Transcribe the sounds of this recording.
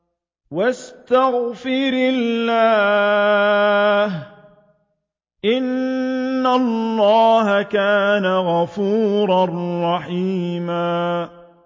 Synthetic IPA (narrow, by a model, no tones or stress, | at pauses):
wast̪aɣfɪɾɪllːaː | h | ʔɪnː | alːɑːɦakaːnaɣɑfuːɾarˤːɑħiːmaː